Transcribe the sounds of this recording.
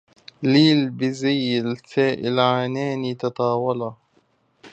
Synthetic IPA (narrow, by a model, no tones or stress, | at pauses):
liːlbɪzajɪlsaːʔɪlʕaːnaːnit̪ɑt̪ˤɑːwɑlɑ